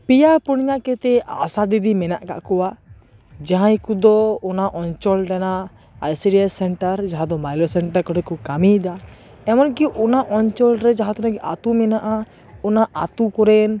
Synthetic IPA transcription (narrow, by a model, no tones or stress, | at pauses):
pijapuɽ̃ɲakɛt̪ɛa̰sad̪id̪imɛna̰ʔka̰ʔkɔwa | d͡ʒaɦãjkud̪ɔɔnaʔɔnt͡ʃɔlɾɛna | ajsiɾiasɛɳʈaɾd͡ʒaɦãd̪ɔmajlɔsɛɳʈaɾkɔɾɛkukamid̪a | ɛmɔnkɛʔunaʔɔnt͡ʃɔlɾɛd͡ʒaɦãt̪ɔnaɡɛʔat̪umɛnaʔa | ɔnaʔat̪ukɔɾɛn